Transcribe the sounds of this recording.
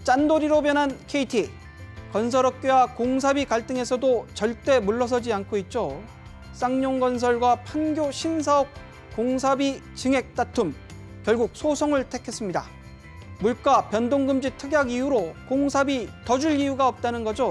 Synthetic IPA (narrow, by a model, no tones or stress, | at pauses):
t͡ɕ͈andoɾiɾobjʌnɦankʰe̞itʰi | kʌns̬ʰʌɾʌp̚k͈ewakoŋs̬ʰabikaɭt͈ɯŋe̞sʰʌdot͡ɕʌɭt͈e̞muɭːʌs̬ʰʌd͡ʑiankʰoit̚t͡ɕ͈o | s͈aŋɲoŋɡʌns̬ʰʌɭɡwapʰaŋɡjoɕʰins̬ʰaʌp̚ | koŋsʰabit͡ɕɯŋe̞k̚t͈atʰum | kjʌɭɡuk̚sʰosʰʌŋɯɭtʰe̞kʰe̞s͈ɯmɲida̰ | muɭk͈apjʌndoŋɡɯmd͡ʑitʰɯɡjaɡijuɾokoŋsʰabitʌd͡ʑuʎijuɡaʌp̚t͈anɯnɡʌd͡ʑo